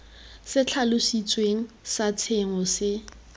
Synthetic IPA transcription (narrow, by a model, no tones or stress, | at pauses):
sɪt͡ɬʰalʊsit͡sʼweŋ̩ | sat͡sʰeŋɔsɪ